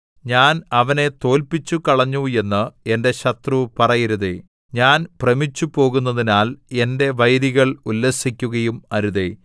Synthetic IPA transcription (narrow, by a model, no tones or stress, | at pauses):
ɲaːnɐʋɐne̞t̪o̞ːlpit͡ɕːukɐɭɐɲːue̞nːɨe̞nde̞ɕɐt̪rupɐrɐjiɾuðḛː | ɲaːnprɐmit͡ɕːupo̞ːɣunːɐðinaːle̞nde̞ʋɐjɾiɣɐɭulːesikʲːuɣɐjumɐɾuðe̞ː